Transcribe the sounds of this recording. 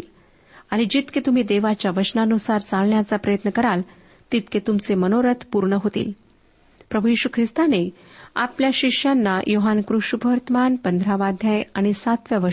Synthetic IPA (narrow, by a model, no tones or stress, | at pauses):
l | aɽ̃id͡ʑit̪ket̪um̤iːd̪eʋat͡ɕjaʋət͡ɕnaənusaɾt͡salɳjat͡sapɾəjət̪nəkəɾal | t̪it̪ket̪umt͡semənoɾət̪ʰpuɾɳəɦot̪ḭːl | pɾəbʱujiɕukʰɾist̪ane | a̰pljaɕiʂjanːajʔoɦankɾuɕubʱəɾt̪əmanpənd̪ʱɾaʋad̪ʱjajaɽ̃isat̪ʋjaʋə